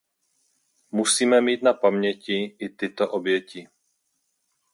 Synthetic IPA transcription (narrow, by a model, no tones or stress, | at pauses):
musiːmɛmiːt̪napamɲɛcɪʔɪt̪ɪt̪oʔobjɛcɪ